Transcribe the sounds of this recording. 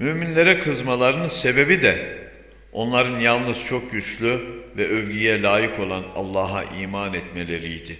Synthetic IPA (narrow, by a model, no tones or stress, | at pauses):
myminlʲe̞ɾɛkʰɯzmalˠaɾɯnɯnse̞be̞bid̪ɛ | o̞̰nlˠaɾɯnjalˠnɯzt͡ʃʰo̞k̚ɟyt͡ʃlʲyvɛʔøvɟyjɛlʲaːjɯkʰo̞lˠana̰lˠːaːɦa̰ʔiːmaːnɛt̪me̞lʲe̞ɾijd̪ɪ